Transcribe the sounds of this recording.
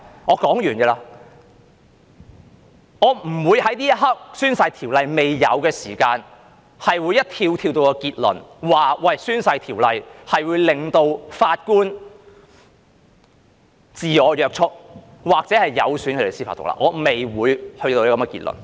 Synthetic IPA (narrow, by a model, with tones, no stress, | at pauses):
ŋɔː˨˧kɔː˨˥ŋjyː˨˩nkɛː˧laː˧ | ŋɔː˨˧m̩˨˩wuː˨˧jhɐ˨˥jt̪iː˥jɐ˥t̚ɦɐ˥k̚syː˥nsɐ˧jt̪ʰiː˨˩wlɐ˧jme˨˩jːɐ̰˨˧wkɛː˧siː˨˩kaː˧n | hɐ˨jwuː˨˧jːɐ˥t̚t̪ʰiː˧wt̪ʰi˧wt̪o˧wkɔː˧kiː˧t̚lɵ̰˨˩nwaː˨wɐ˨˩jsyː˥nsɐ˧jt̪ʰiː˨˩wlɐ˨jhɐ˨jwuː˨˧jlɪ˨˩ŋt̪o˧wfaː˧t̚kuː˥n | t͡siː˨ɔː˨˧jœː˧k̚t͡ʃʰʊ˥t̚ | waː˨˩k̚t͡sɛː˨˥hɐ˨˩jːɐ̰˨˧wsyː˨˥nkʰɵ˧ɾe˨˩siː˥fa̰ː˧t̪ʊ̰˨k̚la̰ː˧ʔŋɔː˨˧me˨jwuː˨˧jhɵ˧t̪o˧ji˥kɐ˨˦mkɛ˧kiː˧t̚lɵ̰˨˩n